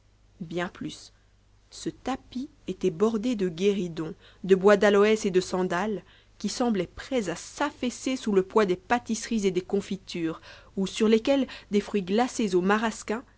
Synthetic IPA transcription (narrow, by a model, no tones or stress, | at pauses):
bjɛ̃plysː | ət̪api | et̪ɛbɔʁd̪ed̪əɡʲeʁid̪ɔ̃ | d̪əbwad̪alɔɛsed̪əsɑ̃d̪al | kʲisɑ̃blɛpχɛzasafesesuləpwad̪epat̪isχized̪ekɔ̃fit̪ʰyːʁusyʁlekʲɛld̪efχɥiɡlasezomaʁaskʲɛ̃